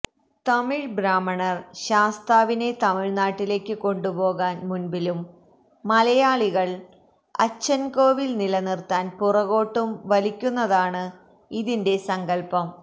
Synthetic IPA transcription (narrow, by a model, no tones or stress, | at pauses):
t̪ɐmiɻbɾaːmːɐɳɐrɕaːst̪aːʋine̞t̪ɐmiɻnaːʈːile̞ːkʲːɨko̞ɳɖubo̞ːɣaːnmunbilumː | ɐlɐjaːɭiɣɐɭ | ɐ̰t͡ɕːɐnko̞ːʋilnilɐnirt̪ːaːnpurɐɣo̞ːʈːumʋɐlikʲːunːɐðaːɳɨ | iðinde̞sɐŋɡɐlpɐm